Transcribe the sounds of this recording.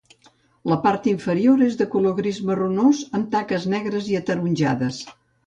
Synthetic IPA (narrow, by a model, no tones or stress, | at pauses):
ləpaɾt̪iɱfəɾioɾezðəkuloɣɾizmərunozəmt̪akəznɛɣɾəziət̪əɾunʲʒa̰ðəs